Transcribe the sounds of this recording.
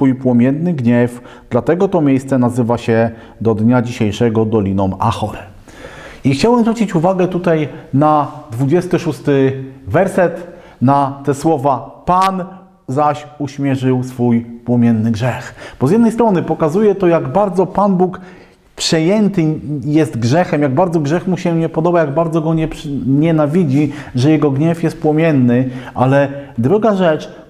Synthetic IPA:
sfujpwɔmʲɛnːɘɡɲɛf | d̪̥lat̪ɛɡɔt̪ɔmʲjejst̪sɛnazɘvaɕɛ | d̪ɔd̪ɲad͡ʑiɕejʂɛɡɔd̪ɔlʲinɔma̰xɔɾ | ixt͡ɕawɛmzɾut͡ɕit͡ɕuvaɡɛt̪ut̪ajnad̪vud͡ʑɛst̪ɘʂust̪ɘvɛɾsɛt̪ | nat̪ɛswɔvapan | zaɕuɕmʲjɛʐɘwsfujpwɔmʲɛnːɘɡʐɛxb̥ɔzjɛd̪nɛjst̪ɾɔnɘpɔkazujɛt̪ɔjaɡbaɾd̪zɔpanbuk | pʂɛjɛnt̪ɘjɛst̪ɡʐɛxɛmjaɡ̚baɾd̪zɔɡʐɛxmuɕɛmɲɛpɔd̪ɔbajaɡbaɾd̪zɔɡɔɲɛɲɛnavʲid͡ʑiʐɛjɛɡɔɡɲɛfjɛst̪̚pwɔmʲjɛnːɘʔalɛd̪ɾuɡaʐɛt͡ʂ

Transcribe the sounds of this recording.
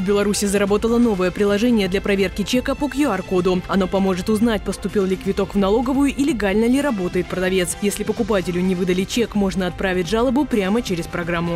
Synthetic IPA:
vʲbʲɪlˠɐɾusʲɪzəɾɐbo̞t̪əlˠəno̞vəjəpɾʲɪlˠɐʐɛnʲɪjəd̪lʲɐpɾɐvʲe̞rkʲɪt͡ɕekəpokjʊarkod̪ʊɐno̞pɐmo̞ʐɨt̪ʊzn̪at̚ʲpəst̪ʊpʲilˠlʲɪkvʲɪt̪o̞kvnɐlˠo̞ɡəvʊjʊʔilʲɪɡalʲnəlʲɪɾɐbo̞t̪əjɪt̪̚pɾəd̪ɐvʲe̞t̪sjesʲlʲɪpəkʊpatʲɪlʲʊnʲɪvɨd̪əlʲɪt͡ɕekmo̞ʐnəɐt̪̚pɾavʲɪtʲʐalˠəbʊpɾʲamət͡ɕeɾʲɪspɾɐɡɾamːʊ

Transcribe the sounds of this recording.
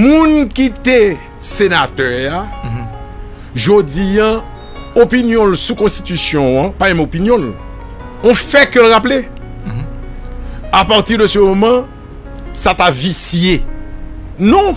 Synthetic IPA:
mũnkit̪e | senat̪œʁja | ʒod͡zijã | opinjɔ̃lsukɔ̃st̪it̪ysjɔ̃pamɛ̃mopinjɔ̃l | õfɛkølʁaple | apaʁt̪iʁd̪əsəmomʌ̃ | sat̪avisje | nɔ̃

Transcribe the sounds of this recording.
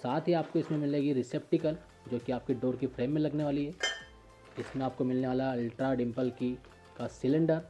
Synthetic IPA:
saːt̪ʰɦiaːp̚koɪsmẽmɪleːɡiɾɪseːpʈɪkəl | d͡ʒoːkiaːp̚keɖoːɾkifɾeːmːẽlɐɡneʋaːliɦɛː | ɪsmẽaːp̚komɪlneʋaːlaɐlʈɾaɖɪ̃mpəlki | kasɪlɪ̃ɳɖəɾ

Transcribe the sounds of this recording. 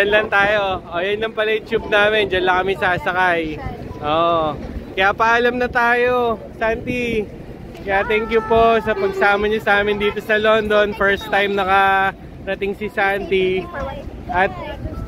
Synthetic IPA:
d͡ʒɐnlɐnt̪aːjoʔojɐnlɐŋpɐlɐjt͡ʃup̚naːmɛnd͡ʒɐnlɐkɐmɪsaːsɐkajʔoːʔkɐjapɐʔːlɐmnɐt̪aːjo̞ | sant̪i | kɐjaʔt̪ɛŋkjupo̞sɐpɐɡsaːmɐɲɐsɐaːmɪnd̪iːt̪o̞sɐlond̪o̞nfɛɹst̪ːajmnɐkɐ | ɾɐt̪ɪŋsɪsant̪i | ʔɐt̪̚

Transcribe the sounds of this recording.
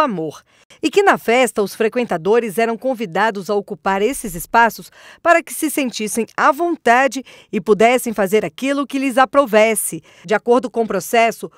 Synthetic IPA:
amoɾ | ɪkɪnɐfɛst̪ɐʊsfɾekwẽnt̪ad̪oɾɪzɛɾɐ̃w̃kõvid̪ad̪ʊzaokupaɾesɪzɪspasʊs | paɾɐkɪ̥sɪsẽnt͡ʃisẽj̃avõnt̪ad͡ʒɪ | ɪpud̪ɛsẽj̃fazeɾakilʊkɪlɪzapɾovɛsɪ | d͡ʒɪakoɾd̪ʊkõpɾosɛsʊ

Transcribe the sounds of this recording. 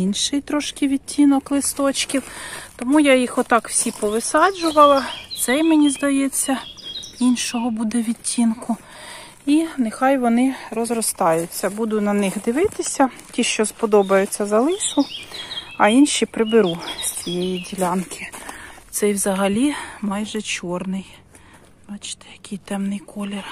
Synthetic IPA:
inʃɪjt̪ɾɔʃkɪʋʲitʲːinɔklˠɪst̪ɔt͡ʃkʲiwt̪ɔmujajixɔt̪ɑkw̥sʲipɔʋɪsɑd͡ʒʊʋɐlˠɐt̪sɛjmenʲizd̪ɐjet͡sʲːɐinʃɔɦɔbud̪ɛʋʲitʲʰːinkʊ | inexɑjʋɔnɪrɔzrɔst̪ɑjʊt͡sʲːɐbud̪ʊt̪ʲnɐnɪxd̪ɪʋɪt̪ɪsʲɐtʲiʃt͡ʃɔspɔd̪ɔbɐjʊt͡sʲːɐzɐlˠɪsʊ | ɐinʃipɾɪbɪɾusʲt͡sʲijɛjidʲilʲɑnkʰɪt̪sɛjwzɐɦɐlʲimɑjʒɛt͡ʃɔrnɪj | bɑt͡ʃɪ̥t̪ɛ̥jɐkɪjt̪ɛmnɪjkɔlʲer

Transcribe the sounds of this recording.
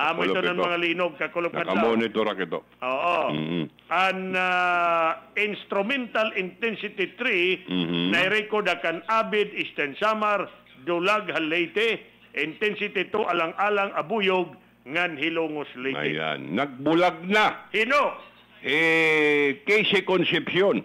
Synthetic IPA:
amoʔɪonaŋmɐŋaliːnoɡ̚kakʊlonadaamonɪt̪oɾakɪt̪o | ʔoːʔo | ʔaŋa | ɪnst̪ɾʊmɛnt̪alɪnt̪ɛnsɪt̪ɪt̪ɾinɐjɾɛkod̪akanabɪd̪ɪst̪ɛnsamaɾ | d̪ʊlaɡhanlɛjt̪ɪ | ʔɪnt̪ɛnsɪt̪ɪt̪oʔɐlaŋʔaːlaŋɐbujʊɡ̚ | ŋanhɪluŋoslɛja̰ɪja̰nːɐɡ̚bʊlaɡ̚nahɪnok̚ | ɛ | kesɪkonsɛpsjon

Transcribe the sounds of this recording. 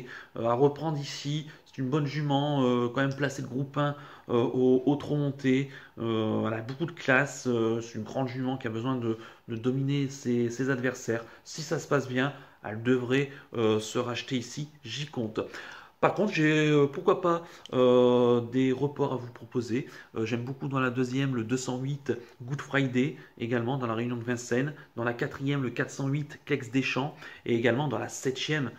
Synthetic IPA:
ø̰aʁəpχɑ̃d̪ʁisisɛ̥t̪ynbɔnʒymɑ̃økɑ̃mɛmplaseləɡʁupɛ̃ | øoot̪χomɔ̃t̪ʰeøvwalabokud̪əklasøsɛ̥t̪ynɡʁɑ̃d̪ʒymɑ̃kʲiabəzwɛ̃d̪əd̪əd̪ɔminesesezad̪vɛʁsɛʁsisasə̥pasbjɛ̃ | ɛ̰ld̪əvʁɛøsəʁaʃt̪eisiʒikɔ̃t̪paʁkɔ̃t̪χʒeøpuʁkwapaød̪eʁəpɔʁavupχɔpozeøʒɛmbokud̪ɑ̃lad̪øzjɛmləd̪øsɑ̃ɥit̪ɡud̪fχajd̪eeɡalmɑ̃d̪ɑ̃laʁeynjɔ̃d̪əvɛ̃sɛnd̪ɑ̃lakat̪χijɛmləkat̪χsɑ̃ɥit̪klɛksd̪eʃɑ̃ḛːɡalmɑ̃d̪ɑ̃la̰sɛt̪jɛm

